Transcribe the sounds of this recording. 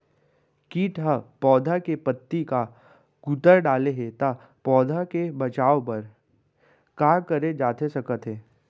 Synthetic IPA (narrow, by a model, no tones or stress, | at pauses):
kiːʈɦapɔːd̪ʱakepɐt̪ːika | kut̪əɾɖaːleɦet̪a | pɔːd̪ʱakebɐt͡ʃaːopɐɾ | kaːɾkɐɾed͡ʒaːt̪esɐkət̪ɦeː